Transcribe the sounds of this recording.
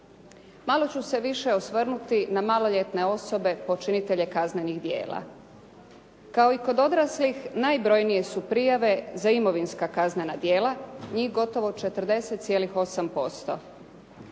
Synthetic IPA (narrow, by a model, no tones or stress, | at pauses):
malˠo̞t͡ɕuse̞ʋiʃe̞osʋr̩nut̪inamalo̞ʎe̞t̪ne̞o̞so̞be̞po̞t͡ʃinit̪e̞ʎe̞kazneniɣd̪je̞̰ːla̰ | kao̞iko̞d̪o̞d̪ɾaslixnaːjbɾo̞jnije̞supɾijaʋe̞zaimo̞ʋinskakaznenad̪je̞ːlˠaɲiːxɡo̞t̪o̞ʋo̞t͡ʃe̞t̪r̩d̪e̞set̪t̪sje̞lixo̞sampo̞st̪o̞̰